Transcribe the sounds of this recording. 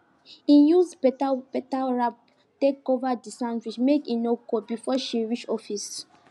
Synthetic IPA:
ĩnjuzpɛtapɛtaɹap̚ | tekovadisãntwit͡ʃmekĩnokobifɔʃiɹit͡ʃɔfis

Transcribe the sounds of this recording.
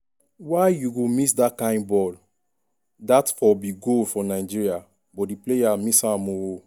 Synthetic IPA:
waɪjuɡomisdakãɪ̃nbɔl | datfɔbiɡolfɔ̃naɪd͡ʒiɹia | bɔdiplejamisamoo

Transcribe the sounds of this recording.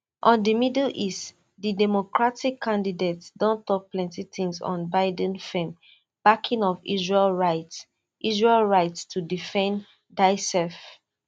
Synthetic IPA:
ʔɔ̃ndimidlʔist | didɛmokɹatikʰːãndidetsdɔ̃ntɔk̚plɛ̃ntitĩŋsɔ̰̃nbaɪdə̃nfẽm | b̥akʰĩŋɔvḭzɹelɹaɪt | ʔizɹelɹaɪtstʰudifɛ̃n | daɪsɛf

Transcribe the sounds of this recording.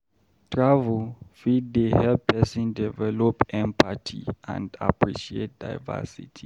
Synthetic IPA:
tʰɹavɛlfid̚dehɛlpʰɛsĩndɛvɛlɔpɛ̃mpʰatʰiã̰nda̰pʰɹiʃiḛt̚da̰jvɛ̰sḭtʰi

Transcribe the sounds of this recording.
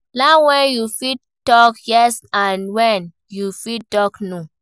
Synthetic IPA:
lawɛ̃njufid̚ | tɔkjɛsãnwɛ̃n | jufitɔknu

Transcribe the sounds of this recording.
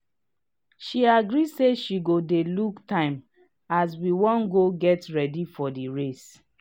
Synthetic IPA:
ʃiaɡɹiseʃiɡodeluktʰãɪ̃m | as̬wiwɔ̃nɡoɡɛtɹɛdifɔdiɹes

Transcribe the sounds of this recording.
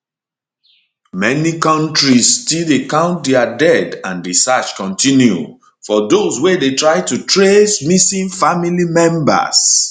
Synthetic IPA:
mɛnikɔ̃ntɹisːtildekãʊ̃nt̚deadɛdãndesat͡ʃkɔ̃ntĩnjṵ | fɔdoswedetɹaɪtutʰɹesmisĩnfamilimɛ̃mba̰s

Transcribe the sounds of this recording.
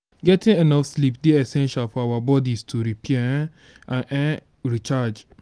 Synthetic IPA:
ɡɛtĩŋenɔfslipdeɛsɛ̃nʃalfɔawabɔdistʰuɾipiɛ | ãnɛ | ɾit͡ʃad͡ʒ

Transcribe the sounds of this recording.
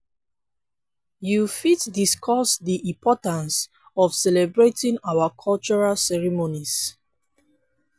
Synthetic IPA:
jufitdiskʰɔsdiʔĩmpʰɔtãns | ɔfsɛlɛbɹetĩŋawakʰɔlt͡ʃɔɹalsɛɹimonis

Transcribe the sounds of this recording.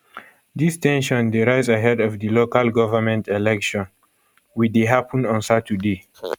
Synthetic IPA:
d̪istɛ̃nʃɔ̃ndiɾajzaɦɛdɔvdilokalɡɔvəmɛ̃ntɛlɛkʃɔ̃n | wideɦapʰə̃nɔ̃nsatʰude

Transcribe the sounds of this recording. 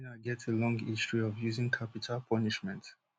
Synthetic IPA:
naɡɛtselɔ̃ŋɡistɹiɔvjuzĩŋkʰapitʰalpʰɔniʃmɛ̃nt

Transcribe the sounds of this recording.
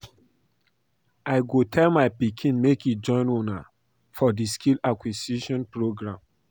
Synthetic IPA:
aɪɡotʰɛlmaɪpikʰĩnmekid͡ʒɔ̃ɪ̃nona | fɔdiskʰilakwisiʃɔ̃npɹoɡɹãm

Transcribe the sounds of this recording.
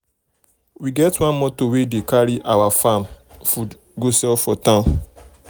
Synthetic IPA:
wiɡɛtwãnmɔtowedekaɾiʔawafãmfud | ɡosɛlfɔtãm

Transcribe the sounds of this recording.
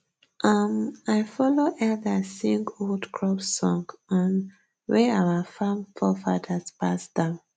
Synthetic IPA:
ʔamaɪfɔloʔɛdasĩŋɡoldkʰɹɔpsɔ̃ŋɡə̃n | wɛawafãmfɔfadaspasd̥ãʊ̃n

